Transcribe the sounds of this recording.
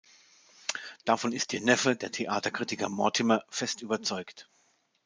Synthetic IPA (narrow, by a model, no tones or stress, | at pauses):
d̥afɔnɪst̚d̥iːnɛfədeːɐtʰeʔaːtɐkʁ̥itɪkɐmɔɐtʰɪmɐfɛstʔyːbɐt͡sɔʏkt